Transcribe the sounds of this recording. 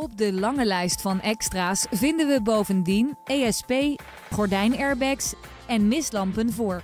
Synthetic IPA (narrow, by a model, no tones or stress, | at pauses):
ɔb̚dəlɑŋəlɛjstfɑnɛkstraːsvɪndənʋəbowvəndinejɛspej | χɔɹdɛjnɛɹbɛks | ɛnmɪslɑmpənvʊːɹ